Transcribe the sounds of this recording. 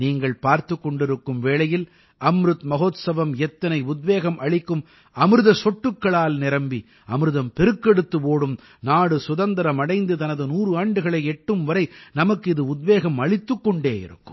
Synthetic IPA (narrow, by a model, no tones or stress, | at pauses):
niːŋɡɐɭpaːɾt̪ɯkːɔɳɖɪɾɯkːɯmʋeːɭɐjɪl | ʔɐmɾɯt̪mɐɣoːt̪sɐʋɐmɛt̪ːɐnɐɪʊd̪ʋeːɣɐmʔɐɭɪkːɯm | ɐmɾɯðɐsɔʈːɯkːɐɭaːlnɪɾɐmbi | ɐmɯɾɯðɐmpɛɾɯkːɛɽɯt̪ːɯpoːɽɯm | naːɽɯsʊðɐnd̪ɐɾɐmɐɽɐɪnd̪ɯt̪ɐnɐðɯnuːrɯaːɳɖɯɣɐɭɐɪɛʈːɯmʋɐɾɐɪnɐmɐkːɯɪðɯʊd̪ʋeːɣɐmɐɭɪt̪ːɯkːɔɳɖeːɪ̰ɾɯ̰kːɯm